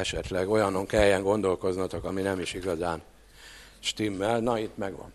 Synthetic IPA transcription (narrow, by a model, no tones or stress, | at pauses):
ɛʃɛt̪lɛɡo̞jɒno̞ŋkɛjɛŋɡo̞nd̪o̞lko̞znɒt̪okɒminɛmiʃiɡɒzaːn | ʃt̪imːɛlnɒit̪ːmɛɡʋɒ̰n